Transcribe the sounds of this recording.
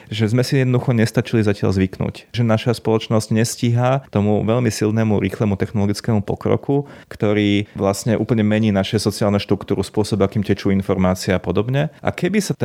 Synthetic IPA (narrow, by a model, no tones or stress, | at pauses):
ʒɛzmɛsijɛd̪nɔd̪uxɔɲɛst̪at͡ʃilizacɪa̰ʎzʋiknṵcʒɛnaʃaspɔlɔt͡ʃnɔzɟ̥ɲɛsciɦat̪ɔmuʋɛʎmisilnɛmuɾḭːxlɛmut̪ɛxnɔlɔɡit͡skɛːmupɔkɾɔ̰kukt̪ɔɾiːʋlasɲɛʔuːpl̩ɲɛmɛɲiːnaʃɛsɔt͡siaːlnɛʃt̪ɾukt̪uːɾuspʊɔsɔbakiːmcɛt͡ʃuinfɔɾmaːt͡siɛapɔd̪ɔbɲɛʔa̰kɛbisat̪